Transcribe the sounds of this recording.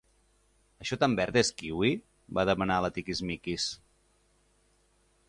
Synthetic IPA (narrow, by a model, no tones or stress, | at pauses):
əʃɔt̪ambɛɾt̪eskiwi | baðəmənalət̪ikizmikis